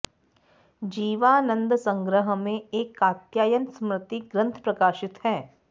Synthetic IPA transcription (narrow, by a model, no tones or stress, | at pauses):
d͡ʒiːʋaːnə̃nd̪sɐ̃ŋɡɾəɦmẽeːkaːt̪jaːjənsmɾɪt̪iɡɾə̃nt̪ʰpɾɐkaːʃɪt̪hɛː